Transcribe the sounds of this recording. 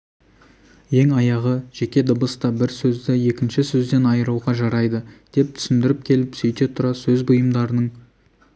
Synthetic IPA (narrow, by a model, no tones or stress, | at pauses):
je̞ŋɑjɑʁəʒekʲe̞d̪əbəst̪ɑbɪɾsɵzd̪ɪje̞kʲɪnʃɪsɵzd̪e̞nɑjəɾuwʁɑʒɑɾɑjd̪əd̪̥e̞p̚t̪ʰʏ̥sɪnd̪ɪɾɪp̚kʲʰe̞lɪpsɵjt̪e̞t̪ʰʊɾɑsɵzbʊjəmd̪ɑɾənəɴ